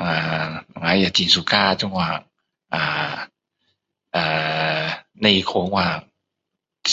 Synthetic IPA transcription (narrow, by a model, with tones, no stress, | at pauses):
a˨˩˨ŋa˨˧˥ja˨˩t͡ɕi˨˩nsu˨˩kaː˥˩t͡ɕɔ˥˦ŋwaː˧˩ | ʔaː˨˩ | ʔaː˨˩ | na˥˧˩i˧˨˩kʰɔ˧˥˦ŋwaː˧˩